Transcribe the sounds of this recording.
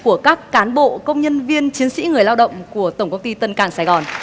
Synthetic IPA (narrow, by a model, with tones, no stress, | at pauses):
ku˧˩əkaː˦˥kːaː˨˦nɓo̰˧˨kə˧wŋ͡mɲə˧nvi˧ənt͡ɕi˨˦ənsḭ˧˥ŋɨ˨˩əjlaː˧wɗə̰˧˨wŋ͡mku˧˩ət̪ə˧˩wŋ͡mkə˧wŋ͡mt̪i˧t̪ə˧nkaː˧˩ŋsaː˧˩ɣɔ˨˩n